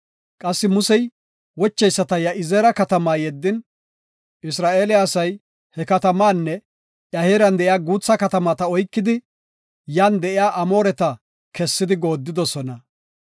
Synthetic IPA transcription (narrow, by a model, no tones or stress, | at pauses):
kʼɐsːɪmʊsɛj | wɔt͡ʃːɛjsːɐt̪ɐjɐʔɪzeːɾɐkɐt̪ɐmaːjɛd̪ːɪn | ʔɪsɾaːʔe̞ːlɪaːsɐj | hɛkɐt̪ɐmaːnːɛ | jɐheːɾɐnd̪ɛʔɪjaːɡuːt͡sːɐkɐt̪ɐmat̪ɐɔjkːɪd̪ɪ | jaːnd̪ɛʔɪjaːʔɐmo̞ːɾɛt̪ɐ | kɛsːɪd̪ɪɡo̞ːd̪ːɪd̪ɔsɔnɐ